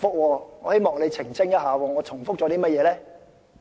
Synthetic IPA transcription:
fʊ˥k̚wɔː˧ŋɔː˨˧he˥jmɔː˨˩ŋle˨˧jt͡sʰɪ˨˩ŋsɪ˥ŋjɐ˥t̚ɦaː˨˧wɔː˧ŋɔː˨˧t͡sʰʊ˨˩ŋfʊ˥k̚t͡ʃɔː˨˧t̪iː˥mɐ˥t̚jɛː˨˧lɛː˥

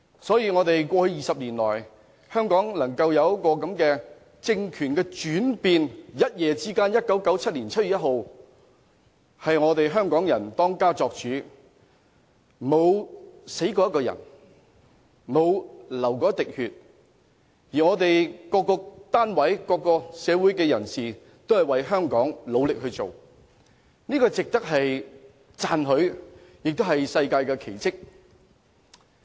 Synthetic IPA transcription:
sɔː˨˥jiː˧ŋɔː˨˧t̪e˨jkʷɔː˧hɵ˧ɥjiː˨sɐ˨p̚liː˨˩nlɔ̰ː˨˩j | hœː˥ŋkɔː˨˥ŋlɐ˨˩ŋkɐ˧wjɐ˨˧wjɐ˥kɔː˧kɐ˨˥mkɛː˧ | t͡sɪ˧ŋkʰyː˨˩nkɛː˧t͡ʃyː˨˥npiː˨˧njɐ˥t̚jɛː˨˧t͡siː˥kaː˥njɐ˥t̚kɐ˨˥wkɐ˨˥wt͡sʰɐ˥t̚liː˨˩nt͡sʰɐ˥t̚ɥy˨˩jɐ˥t̚ɦo˨w | hɐ˨jŋɔː˨˧t̪e˨jɦœː˥ŋkɔː˨˥ŋjɐ˨˩nt̪ɔː˥ŋkaː˥t͡sɔː˧k̚t͡ʃyː˨˥ | mo˨˧wse˨˥jkɔː˧jɐ˥t̚kɔː˧jɐ̰˨˩n | mo˨˧wlɐ˨˩wkɔː˨˥t̪ɪ˨k̚hyː˨t̚ | jiː˨˩ŋɔː˨˧t̪e˨jkɔː˧kːɔː˧t̪aː˥nwɐ˨˥jkɔː˧kːɔː˧sɛː˨˧wuː˨˥jkɛː˧jɐ˨˩nsiː˨ | t̪o˥whɐ˨jwɐ˨jɦœː˥ŋkɔː˨˥ŋlo˨˧wlɪ˨k̚ɦɵ˧ɥt͡so˨w | niː˥kɔː˧t͡sɪ˨k̚t̪ɐ˥k̚ɦɐ˨j | t͡saː˨nɦɵ˨˥ɥjɪ˨k̚t̪o˥whɐ˨jsɐ˧jkaː˧jkɛː˧kʰe˨˩jt͡sɪ˥k̚

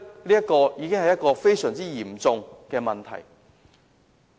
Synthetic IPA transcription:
liː˥jɐ˥t̚kɔː˧jiː˨˧kɪ˥ŋhɐ˨jɐ˥t̚kɔː˧fe˥jsœː˨˩ŋt͡siː˥jiː˨˩mt͡sʊ˨ŋkɛː˧mɐ˨nt̪ʰɐ̰˨˩j

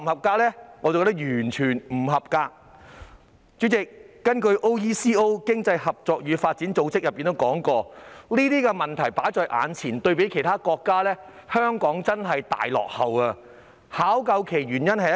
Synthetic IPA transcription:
m˨˩hɐ˨p̚kaː˧lɛː˥ŋɔː˨˧t͡sɐ˨kːt̪k̚jyː˨˩nt͡ʃʰyː˨˩nm̩˨˩ɦɐ˨p̚kaː˧k̚ | t͡syː˨˥t͡sɪ˨kːɐ˥nkɵ˧ɥʔo˥wjiː˥siː˥o˥wkɪ˥ŋt͡sɐ˧jhɐ˨p̚t͡sɔː˨k̚jyː˨˧faː˧t̚t͡si˨˥nt͡so˧wt͡sɪ˥k̚jɐ˨˩pːi˨nt̪o˥wkɔː˨˥ŋkɔː˧liː˥t̪iː˥kɛ˧mɐ˨nt̪ʰɐ˨˩jpaː˨˥jt͡sɔː˧jʔa̰ː˨˧nt͡sʰiː˨˩nt̪ɵ˧ɥpe˨˥jkʰe˨˩jt̪ʰaː˥kɔː˧kːaː˥lɛː˥ | hœː˥ŋkɔː˨˥ŋt͡sɐ˥nɦɐ˨jt̪a̰ː˨jlɔ̰ː˨k̚hɐ˨wɐː˧ | haː˨˥wkɐ˧wkʰe˨˩jɥyː˨˩njɐ˥nhɐ˨˧

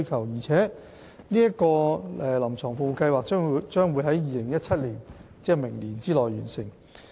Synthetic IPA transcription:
jkʰɐ˨˩wjiː˨˩t͡sʰɛː˨˥ | niː˥jɐ˥t̚kɔː˧ɛː˨lɐ˨˩mt͡sʰɔː˨˩ŋfo˨˧kɐ˧jwaː˨k̚ːt͡ʃœː˥ŋwuː˨˧jɦɐ˨˥jjiː˨˧lɪ˨˩ŋjɐ˥t̚t͡sʰɐ˥t̚liː˨˩n | t͡sɛː˥mɪ˨˩ŋliː˨˩nt͡siː˥lɔː˨jɥyː˨˩nsɪ˨˩ŋ

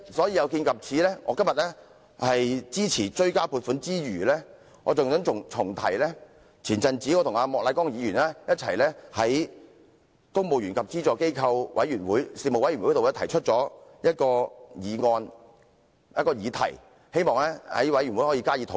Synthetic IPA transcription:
sɔː˨˥jiː˧jɐ˨˧wkiː˧nkɐ˨p̚t͡sʰiː˨˥lɛː˥ŋɔ̰ː˨˧kɐ˥mjɐ˨t̚lɛ˥ | hɐ˨jt͡siː˥t͡sʰiː˨˩t͡ʃɵ˥ɥkaː˥pʰuː˧t̚fuː˨˥nt͡siː˥jyː˨˩lɛː˥ | ŋɔː˨˧t͡sʊ˨ŋt̪ɵ˨˥ŋʊ˨ŋt͡sʰʊ˨˩ŋt̪ʰɐ˨˩jlɛː˥ | t͡sʰiː˨˩nt͡sɐ˧nt͡si˨˥kɔː˨˧t̪ʰʊ˨˩ŋaː˧mɔː˨k̚laː˨˧jkɔː˥ŋjiː˨˧jyː˨˩nlɛː˥jɐ˥t̚t͡sʰɐ˨˩jlɛː˥hɐ˨˦˥j | kʊ˥ŋmo˨wjy˨˩nkʰɐ˨p̚t͡siː˥t͡ʃɔː˨˩ke˥jkʰɐ˧wwʔɐ˨˥jyː˨˩nwuː˨˥jsiː˧mo˨wɐ˦jy˨˩w̪o˨˧lɛ˥t̪ʰɐ˨˩jt͡ʃʰɵ˥t̚t͡sɔː˨˥jɐ˥t̚kɔː˧jiː˨˧ŋɔː˧n | jɐ˥t̚kɔː˧jiː˨˧t̪ʰɐ̰˨˩j | he˥jmɔː˨ŋlɛ˥hɐ̰˨˥jwɐ˨˥jɥy˨˩nwu˨˥jhɔː˨˥jiː˧kaː˥jiː˨˧t̪ʰo˨˦

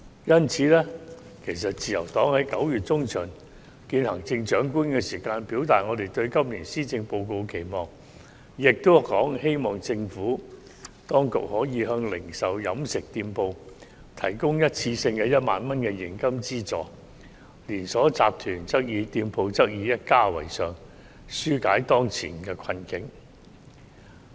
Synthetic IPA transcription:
jɐ˥nt͡sʰiː˨˥lɛː˥ | kʰe˨˩js̬ɐ˨t̚t͡siː˨˩jɐ˨˩wt̪ɔː˨˥ŋhɐ˨˥jkɐ˨˥wjyː˨˩t̚t͡sʊ˥ŋt͡ʃʰœː˨˩ŋ | kiː˧nhɐ˨˩ŋt͡sɪ˧ŋt͡ʃœː˨˥ŋkuː˥nkɛː˧siː˨˩kaː˧npiː˨˥wt̪aː˨t̚ŋɔː˨˧t̪e˨˩jt̪ɵ˧ɥkɐ˥mliː˨˩nsiː˥t͡sɪ˧ŋpo˧wko˧wkʰe˨˩jmɔː˨˩ŋ | jɪ˨k̚t̪o˥wkɔː˨˥ŋhe˥jmɔː˨˩ŋt͡sɪ˧ŋfuː˨˥ | t̪ɔː˥ŋkʊ̰˨k̚hɔː˨˥jiː˨˧ɦœː˧ŋlɪ˨˩ŋsɐ˨˩wjɐ˨˥msɪ˨k̚t̪iː˧mpo˧w | t̪ʰɐ˨˩jkʊ˥ŋjɐ˥t̚t͡sʰiː˧sɪ˧ŋkɛː˧jɐ˥t̚ma̰ː˨˧nmɐ˥nkɛ˧jɪ˨˩ŋkɐ˥mt͡siː˥t͡sɔː˨˩ | liː˨˩nsɔː˨˥t͡saː˨p̚t̪ʰyː˨˩nt͡sɐ˥k̚jiː˨˧t̪iː˧mpʰo˧wt͡sɐ˥k̚jiː˨˧jɐ˥t̚kaː˥wɐ̰˨˩jsœː˨ŋ | syː˥kaː˨˥jt̪ɔː˥ŋt͡sʰḭː˨˩nkɛː˧kʷʰɐ˧nkɪ˨˥ŋ

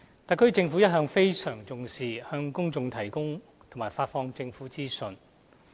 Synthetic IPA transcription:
t̪a˨˧kʰɵ˥t͡sɪ˧ŋfu˨˥jɐ˥t̚ɦœː˧ŋfe˥jsœː˨˩ŋt͡sʊ˨ŋsiː˨˩hœː˧ŋkʊ˥ŋt͡sʊ˨˧ŋt̪ʰɐ˨˩jkʊ˥ŋ | t̪ʰmaː˨˩jfaː˧t̚fɔː˧ŋt͡sɪ˧ŋfuː˨˥t͡siː˥sɵ˨n

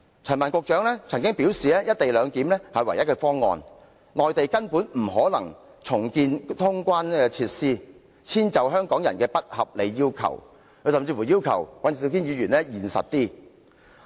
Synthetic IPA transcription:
t͡sʰœː˨˩maː˨˩nkʊː˧k̚t͡ʃœː˨˥ŋlɛ˥t͡sʰɐ˨˩ŋkɪ˥ŋpiː˨˥wsiː˨ɛː˥jɐ˥t̚t̪e˨jlœː˨˧ŋkiː˨˥mlɛː˥hɐ˨jwɐ˨˩jɐ˥t̚kɛː˧fɔː˥ŋːɔ̰ː˨˧n | nlɔː˨jt̪e˨jkɐ˥npuː˨˥nm̩˨˩ɦɔː˨˥lɐ˨˩ŋ | t͡sʰʊ˨˩ŋkiː˧nt̪ʰʊ˥ŋkʷwaː˥nɛː˧t͡sʰiː˧t̚siː˥ | t͡sʰiː˥nt͡sɐ˨wɦœː˥ŋkɔː˨˥ŋjɐ̰˨˩nkɛː˧pɐ˥t̚hɐ˨p̚le˨˧jːiː˥wkʰɐ̰˨˩w | kʰɵ˨˧˥sɐ˨˧mt͡siː˧fuː˨˩jiː˥wkʰɐ̰˨˩wwɐ˨˥n˨si˧t̪ʰiː˥njiː˨˧ɥyː˨˩nlɛ˥jiː˨˩nsɐ̰˨t̚t̪iː˥

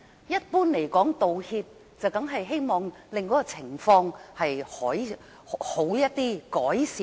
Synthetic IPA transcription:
jɐ˥t̚puː˥nle˨˩jkɔː˨˥ŋt̪o˨whiː˧p̚ | t͡sɐ˨wt̪ɐ˨˥ŋɦɐ˨jɦe˥jmɔː˨ŋlɪ˨ŋkɔː˨˥kɔː˧t͡sʰɪ˨˩ŋfɔː˧ŋhɐ˨jhɔː˨˥j | ho˨˥wjɐ˥t̚t̪iː˥kɔː˨˥jsiː˨

